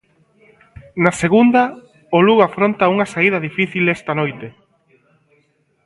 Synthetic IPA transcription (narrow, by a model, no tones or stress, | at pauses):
naseɣund̪ɐ | oluɣafɾont̪ɐuŋɐsaiðɐðifiθilest̪ɐnojt̪e